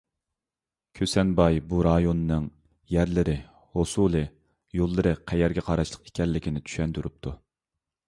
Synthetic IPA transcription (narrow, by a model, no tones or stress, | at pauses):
kʲʰøsɛnbɑjbuɾɑjonɨːɨŋ | jæɾlɪɾɪ | hosulˠɨ | jolˠːɨɾɨqʰɛjɛɾɡʲɛqʰɑɾɑʃlˠəqe̥kʲɛlːɪkʲinɪt̪ʰy̥ʃɛnt̪uɾup̚t̪ʰu